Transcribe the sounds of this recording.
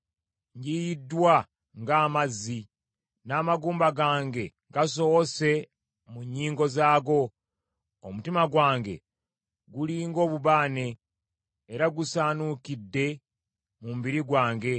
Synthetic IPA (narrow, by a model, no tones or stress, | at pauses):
ɲɟijidːwa | ŋɡaːmazːi | naːmaɡuːmbaɡaːŋɡe̞ŋɡas̬o̞wose̞ | muɲːiːŋɡo̞zaːɡo̞ | omutimaɡwaːŋɡe̞̰ | ɡuliːŋɡo̞ːβuβaːne̞ː | ɾaɡusaːnukidːe̞ | mumubiɾiɡwaːŋɡe̞